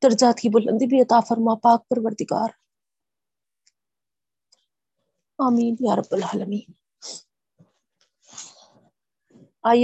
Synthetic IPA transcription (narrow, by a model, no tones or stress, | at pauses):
t̪ɐɾd͡ʒaːt̪kiːbʊlɐ̰nd̪ibiɐt̪aːfɐɾmãːpaːk̚pɐɾʋɐɾd̪iɡa̰ːɾ | aːmiːnjaːɾɐbːɐlaːlɐmiːn | aːj